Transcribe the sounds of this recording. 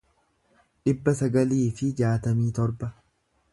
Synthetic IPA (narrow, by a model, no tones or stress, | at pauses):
ᶑɪbːɐsɐɡɐliːfɪd͡ʒaːt̪ɐmiːt̪ɔɾbɐ